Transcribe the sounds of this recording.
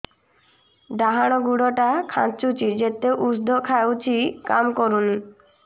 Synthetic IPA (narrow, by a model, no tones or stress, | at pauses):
ɖaɦaɽ̃oɡuɽoʈakʰã̰t͡ɕut͡ɕid͡ʑet̪ːeʔusd̪ʱokʰaeut͡ɕʰikamkoɾun